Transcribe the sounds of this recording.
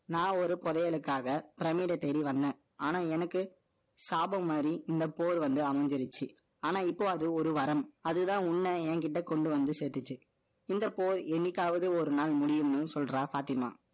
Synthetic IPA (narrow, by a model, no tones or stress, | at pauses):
nãːɔɾɯpɔðɐjɐɭɯkːaːɣɐpɪɾɐmiːɽɐt̪ːɛɽiʋɐnd̪ẽː | aːnaːɛnɐkːɯ | saːbɐmːaːd̪ɾiɪnd̪ɐpoːɾʋɐnd̪ɯɐmɐɲd͡ʒɐɾɯt͡ʃːɯ | aːnaːɪpːoːɐðɯɔɾɯʋɐɾɐmɐðɯt̪ãːʊɳːɐɛːŋkɪʈːɐkɔɳɖɯʋɐnd̪ɯseːt̪ːɯt͡ʃːɯ | ɪnd̪ɐpːoːɾɛnːɪkːaːʋɐðɯɔɾɯnaːlmʊɽɪjɯmnɯsɔlɾaːsaːt̪ɪma̰ː